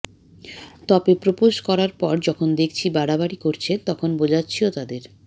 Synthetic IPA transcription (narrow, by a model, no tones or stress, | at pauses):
t̪ɔbepɾopuʃkɔɾaɾpɔɾd͡ʑɔkʰond̪ekʰt͡ɕʰibaɽabaɽikoɾt͡ɕʰet̪ɔkʰonbod͡ʑatːɕʰiot̪ad̪eɾ